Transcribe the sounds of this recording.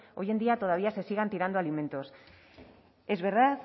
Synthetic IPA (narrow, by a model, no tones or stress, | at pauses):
o̞je̞nd̪iat̪o̞ðaβ̞iase̞siɣ̞ant̪iɾand̪ualimẽ̞nt̪os | e̞zβe̞ɾða